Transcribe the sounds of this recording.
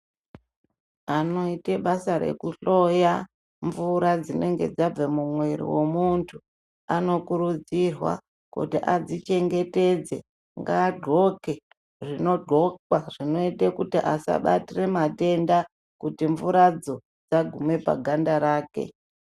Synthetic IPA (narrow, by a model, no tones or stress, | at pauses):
ano̞ite̞ɓasaɾe̞̰kuɬo̞ja | ɱvuɾad͡zine̞ŋɡe̞̰d͡zab͡vemumwe̞ɾḭwemuntʰu | ano̞kuɾud͡zirwa̰ | kṵtiʔad͡zit͡ʃe̞ŋɡe̞te̞d͡ze̞̰ | ŋɡaːɡʱo̞ke̞ | ʐino̞dʱo̞kwaʐino̞itekutiʔasa̰ɓa̰tire̞mate̞nda | kutiɱvuɾad͡zo̞ | d͡zaɡʱume̞pa̰ɡʱandaɾaːke̞̰